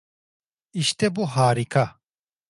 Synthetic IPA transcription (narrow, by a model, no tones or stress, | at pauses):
iɕt̪eboɦaːɾikɐ